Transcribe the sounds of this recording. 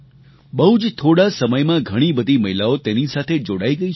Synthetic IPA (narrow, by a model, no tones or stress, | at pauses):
bəɦud͡ʒt̪ʰoɽasəməjmãɡʱəɽ̃ibəd̪ʱiməɦilaot̪enisat̪ʰed͡ʒoɽaiɡəi